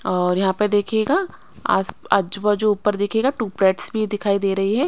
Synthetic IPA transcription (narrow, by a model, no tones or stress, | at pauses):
ɔːɾjɐɦãpɐd̪eːkʰeːɡa | a̰səd͡ʒʋəd͡ʒouːpəɾd̪ɪkʰeːɡaʈuːpɾɛːʈsbʱid̪ɪkʰaːid̪eːɾɐɦiɦɛː